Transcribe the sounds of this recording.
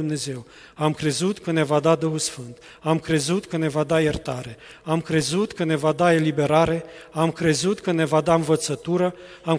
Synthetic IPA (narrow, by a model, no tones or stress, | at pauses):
umne̞ze̞w | amkɾe̞zut̪kəne̞vad̪ad̪uxulsfɨnt̪ | amkɾe̞zut̪kəne̞vad̪ajert̪aɾe̞ | amkɾe̞zut̪kəne̞vad̪ae̞libe̞ɾaɾe̞amkɾe̞zut̪kəne̞vad̪aɨnvət̪sət̪uɾə | am